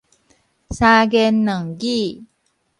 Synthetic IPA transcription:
sa˧ɡɛ˧nːə˨˩ŋɡi˥˦˨

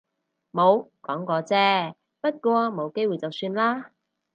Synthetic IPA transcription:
mo˨˧wkɔː˨˥ŋkɔː˧t͡sɛː˥ | pɐ˥t̚kʷɔː˧mo˨˧wke˥jwu˨jt͡sɐ˨wsyː˧nlaː˥

